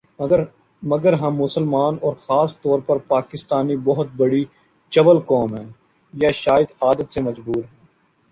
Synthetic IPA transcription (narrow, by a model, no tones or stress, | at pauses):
mɐɡəɾɦɐmːʊsəlmaːnɔːɾxaːst̪ɔːɾpɐɾpaːkɪst̪aːnibɔɦʊt̪̚bɐɽi | t͡ʃɐʋəlkɔːmɦɛ̃ː | jaʃaːɪəd̪aːd̪ət̪semɐd͡ʒbuːɾɦɛː